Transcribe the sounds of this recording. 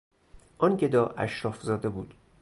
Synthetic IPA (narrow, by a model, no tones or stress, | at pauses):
ʔɒnɟed̪ɒːʔæ̰ʃɾɒːfzɒːd̪e̞buːd̪̥